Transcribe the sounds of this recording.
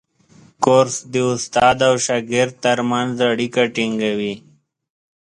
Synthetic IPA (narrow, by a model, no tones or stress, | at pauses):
koɾsd̪iʊst̪ɑːd̪awʃaːɡɪɾd̪̚t̪aɾmanzaɽikaʈiŋɡawi